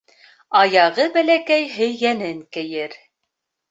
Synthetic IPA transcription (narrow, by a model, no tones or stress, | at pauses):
ɑjɑʁɤbælækæjɦɵ̆jɣænɘŋkɘ̆jɘɾ